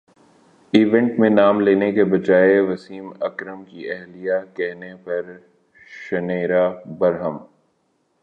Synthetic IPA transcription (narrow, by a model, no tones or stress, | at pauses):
iːʋɛ̃ɳʈmẽnaːmleːnekebɐt͡ʃaːeʋɐsiːmɐ̰kɾəmkiɛɦlijakɛɦnepɐɾ | ʃɐneːɾabɐɾɦəm